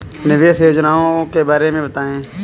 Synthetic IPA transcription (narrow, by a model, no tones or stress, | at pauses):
nɪʋeːsjoːd͡ʒnaːõːkeːbaːɾeːmẽːbət̪aːẽː